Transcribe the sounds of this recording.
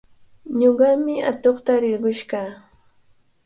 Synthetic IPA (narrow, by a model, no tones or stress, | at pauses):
ɲoɢɑmɪa̰t̪oχt̪aɾɪɾɢʊʃkaː